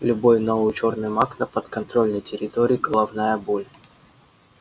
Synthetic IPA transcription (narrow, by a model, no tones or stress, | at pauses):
lʲʊbo̞jnovɨʊt͡ɕo̞rnɨjmaknəpət̪kɐnt̪ɾo̞lʲnəjtʲɪɾʲɪt̪oɾʲiːɡəlˠɐvnajəbolʲ